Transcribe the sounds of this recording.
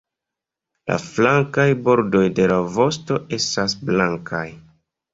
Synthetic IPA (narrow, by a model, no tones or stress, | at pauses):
la̰flaŋkajbo̞ɾdo̞jde̞lavo̞sto̞ʔe̞stasblaŋkʰaj